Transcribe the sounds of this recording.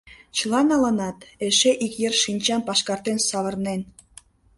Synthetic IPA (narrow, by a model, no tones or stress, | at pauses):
t͡ɕəlɑnɑlənɑt̪eʃeʔikjerʃinʲt͡ɕɑmpɑʃkɑrt̪ensɑβə̆rnen